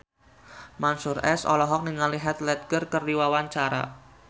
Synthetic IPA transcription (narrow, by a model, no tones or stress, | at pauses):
mansurɛsɔ̰lɔɦɔk̚niŋaliɦɛt̪lɛt̪̚ɡərkərdiwawaɲt͡ʃaɾa̰